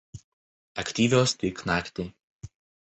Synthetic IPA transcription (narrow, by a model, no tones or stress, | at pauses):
ɐkʲt̪ʲiːʋʲoːst̪ʲɪːknɑːkʲt̪ʲiː